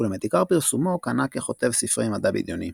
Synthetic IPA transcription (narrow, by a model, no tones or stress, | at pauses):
ulemet̪ikaʁpiʁsumo̞kanakeχo̞t̪e̞vsifʁimad̪abḭd̪jo̞ni